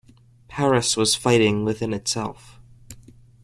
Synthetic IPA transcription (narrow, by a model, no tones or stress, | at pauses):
pʰɛɹɨswʌz̥faɪɾɪ̃ŋwɨðɪ̃nɨtsɛ̰lˠf